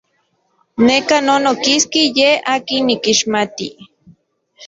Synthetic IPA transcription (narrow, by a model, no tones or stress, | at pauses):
nekanonokiskijehaːkinːikiʃmat̪i